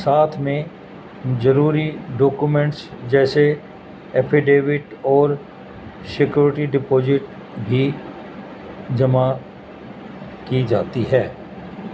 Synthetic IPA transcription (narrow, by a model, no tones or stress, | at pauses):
saːt̪ʰmẽ | d͡ʒɐɾuːɾiɖoːkumẽɳʈsd͡ʒɛːse | ɛːpʰɪɖeːʋɪʈɔːɾ | sɪkjuːɾɪʈiɖɪpoːd͡ʒɪʈ | bʱi | d͡ʒɐma | kid͡ʒaːt̪iɦɛː